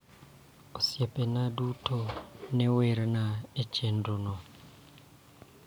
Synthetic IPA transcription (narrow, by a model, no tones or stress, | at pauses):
osjepenadutonɛweɾnaet͡ʃɛndonɔ